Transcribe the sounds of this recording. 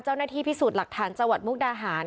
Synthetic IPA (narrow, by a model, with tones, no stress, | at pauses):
t͡ɕa˥˩wnaː˥t̪ʰiː˥˩pʰi˦˥suː˨˩t̪̚la˨˩k̚t̪ʰaː˩˦nt͡ɕa˧ŋwa˨˩t̪̚mu˦˥k̚daː˧ɦaː˩˦n